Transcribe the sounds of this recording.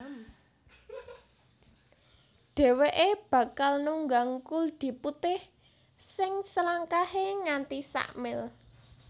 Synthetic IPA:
ɖ̪̥ɛ̤weʔeb̥ä̤kalnuŋɡaŋkuld̪̥i̤put̪ɪh | sɪŋsəlaŋkaheŋant̪isa̰ʔmɪl

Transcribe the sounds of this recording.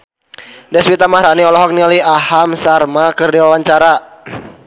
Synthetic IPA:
dɛswit̪amahɾaniɔlɔɦɔk̚niliahamsarmakərdiwawaɲt͡ʃaɾa

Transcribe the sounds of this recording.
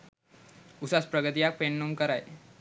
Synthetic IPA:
usaspɾəɡət̪̬ijak̚penːumkəɾaj

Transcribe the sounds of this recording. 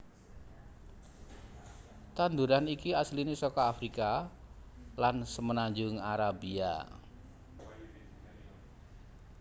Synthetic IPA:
t̪and̪uɾanikiaslinɪsɔkɔafɾika | lansəmənaɲd͡ʒʊŋaɾabia̰

